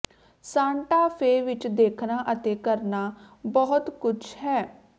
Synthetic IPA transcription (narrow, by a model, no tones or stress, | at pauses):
sãːɳʈaːpʰeːʋɪt͡ʃd̪eːkʰnaːʔət̪eːkəɾnaː | bɔɦʊt̪kʊt͡ʃʰhɛː